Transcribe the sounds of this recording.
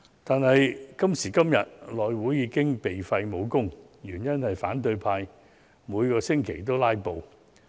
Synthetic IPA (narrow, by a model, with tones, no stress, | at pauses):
t̪aː˨nhɐ˨jkɐ˥msiː˨˩kɐ˥mjɐ˨t̚lɔː˨jwuː˨˥jjiː˨˧˥kɪ˥ŋpe˨jfɐ˧jmo˨˧wkʊ˥ŋ | jyː˨˩njɐ˥nhɐ˨jfaː˨˥nt̪̬ɵ˧ɥpʰaː˧j | muː˨˧jkɔː˧sɪ˥ŋkʰe˨˩jt̪̬o˥wlaː˥jpo˨w